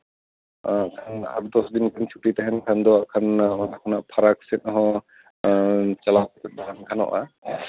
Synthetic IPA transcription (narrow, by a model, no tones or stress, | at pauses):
akʰana̰but̪ɔsd̪inkʰant͡ʃʰuʈit̪aɦɛnkʰand̪ɔakʰanakʰɔnaʔpʰaɾaksɛn̚ɔɦɔ̃ | t͡ʃalapɔt̪ɛt̪̚baankʰanɔ̰ʔa̰